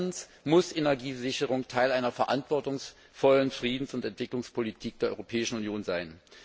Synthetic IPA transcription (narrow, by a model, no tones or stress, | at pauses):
nsmʊsʔenɛɐɡiːzɪçəʁ̞ʊŋtʰaɪlʔaɪnɐfɛɐʔantv̥ɔɐtʊŋs | fɔlənfʁ̥iːdn̩sʊntɛntv̥ɪklʊŋspʰolitʰiːk̚d̥eːɐʔɔ̰ʏʁopʰɛːɪʃn̩ʊnjoːnzaɪn